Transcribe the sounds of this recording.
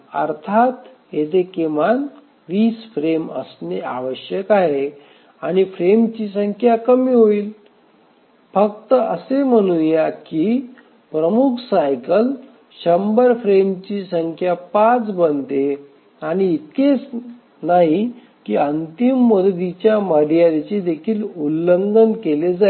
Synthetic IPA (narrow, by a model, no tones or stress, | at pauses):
ə̰ɾt̪ʰat̪ | ɦet̪ekeman | ʋiːsfɾeməsnea̰ʋəɕjəkaɦe | añifɾemt͡ɕiːsəŋkʰjakəmiːɦoiːl | fək̚t̪əəsem̤əɽ̃unjakiː | pɾəmukʰsajkəl | ɕəmbəɾfɾemt͡ɕiːsəŋkʰjapat͡sbənt̪e | aɽ̃iːt̪̚ket͡s | naɦi | kiːənt̪imːəd̪əd̪it͡ɕjaməɽijaɾit͡ɕed̪ekʰiːlulːənd̪ənkeled͡zae